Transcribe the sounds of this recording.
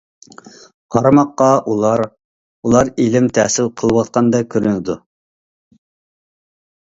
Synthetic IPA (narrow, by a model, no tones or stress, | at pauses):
qʰɑɾɑmɑqːɑʔulˠɑɾ | ulˠɑɾilɪmt̪ʰɛːsɪlqʰəlˠəwɑt̪̚qʰɑnd̪ɛkʲʰøɾynɪd̪u